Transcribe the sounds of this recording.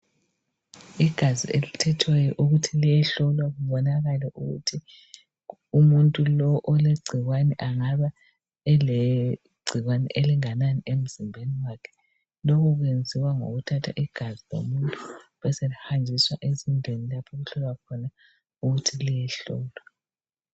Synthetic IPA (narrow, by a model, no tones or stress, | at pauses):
iɡ̥ʱazḭʔelutʰɛtʰwɛjɔʔuɣutʰilijɛɬɔlwaɣuβɔnaɣalɛʔuɣṵtʰi | umuntʼulɔʔːleɡ͡ǀʱiɣwanɛʔaŋaβa | ɛle | ɡ͡ǀʱiɣwanɛ̰ʔeliŋananiʔem̩zimbʱeniwakʰɛ̥ | lɔkɔɣwend͡zʱiwaŋo̰ɣutʰatʰa̰ʔiɡ̥ʱazilo̰muntʼuβɛselihand͡ʒʱiswaʔezindʱenilapʰɔɣuɬɔlwakʰɔna | uɣutʰilijɛɬɔːlwa